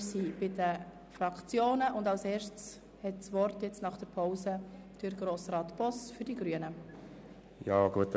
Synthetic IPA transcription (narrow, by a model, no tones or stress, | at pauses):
sib̥ɪdə | frɑkt͡sjoːnəʔʊndɑʊseːɾʃts | hɛtsʋɔrtjɛt͡snɑχd̥əɾpʰoʊsəd̥ʏɾɡɾoːsɾɑːtpɔsfʏɾdiɡɾyənə | jɑ̰ːɡuət